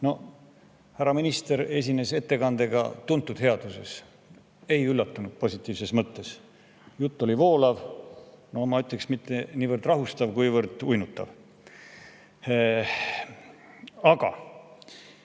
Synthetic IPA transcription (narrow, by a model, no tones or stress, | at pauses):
no̞ | hæɾɑminist̪e̞ɾe̞s̬ʲine̞se̞t̪ːe̞kɑnd̪̥e̞ɡɑ̰t̪unt̪ˑːud̪̥he̞ɑd̪̥use̞̰s | e̞jylːɑt̪ːˑunud̪̥̚po̞sʲit̪ːˑiːvse̞smɤt̪ːe̞s | jut̪ˑːo̞lʲivo̞ːlɑvnomɑyt̪ːˑeksmit̪ːˑeniːvərd̪̥rɑɦust̪ɑvkujvɤɾd̪̥ujnut̪ːˑɑ̰v | ɑɡ̥ɑ̰